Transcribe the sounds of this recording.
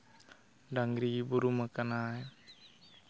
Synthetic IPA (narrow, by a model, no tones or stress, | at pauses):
daŋɡɾibuɾumakanaj